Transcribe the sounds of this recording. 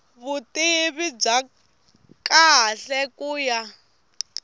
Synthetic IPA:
βutʼiβib͡ʐa | kaɬɛkʼuːja

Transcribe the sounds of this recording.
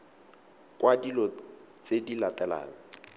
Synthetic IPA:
kʼwadilɔ | t͡sʼedilatɛla̰ːŋɔ

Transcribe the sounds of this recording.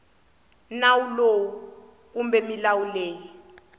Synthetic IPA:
nawulowu | k̬umbɛmilawuleːji

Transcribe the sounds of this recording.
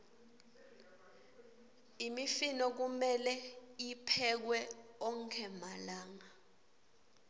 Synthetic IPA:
imifinɔk̬umɛlɛipʰɛk̬wɛɔŋkʰɛmalaːŋa

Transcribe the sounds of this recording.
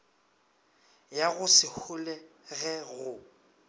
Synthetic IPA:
jaɣʊsɪhʊlɛɣɛɣʊ

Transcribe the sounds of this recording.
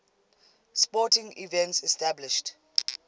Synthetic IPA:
spɔtɪ̃ŋḭvɛ̃ntsɛstablɪʃt

